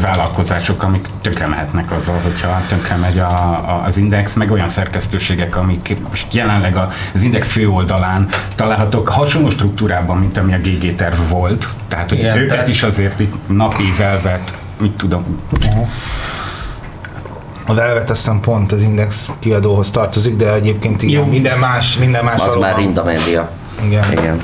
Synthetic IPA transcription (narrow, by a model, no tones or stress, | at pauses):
vaːlɒlko̞zaːʃo̞kɒmikt̪ø̞ŋkrɛmɛɦɛt̪nɛkɒzːɒlɦo̞cʰhɒt̪øŋkrɛmɛɟɒːzind̪ɛksmɛɡo̞jɒnsɛrkɛst̪øːʃeːɡɛkɒmikmoʃt̪jɛlɛnlɛɡɒ | zind̪ɛksføːo̞ld̪ɒlaːnt̪ɒlaːlɦɒt̪okhɒʃonoːʃt̪ruk̚t̪uːɾaːbɒmːint̪ɒmiɒɡeːɡeːt̪ɛrvːo̞lt̪ːɛɦaːt̪hoøːkɛt̪iʃɒzeːrt̪it̪nɒpivɛlvɛt̪ | uct̪ːud̪om | ɒvɛlvɛt̪ɛsɛmpo̞nt̪ɒzind̪ɛkskiɒd̪oːɦo̞st̪ɒrt̪o̞ziɡd̪ɛɛɟeːp̚keːnt̪ijoːmind̪ɛnmaːʃmind̪ɛmːmaːʃɒɒzmaːrind̪ɒmɛd̪ijɒ | iɡɛnḭɡɛn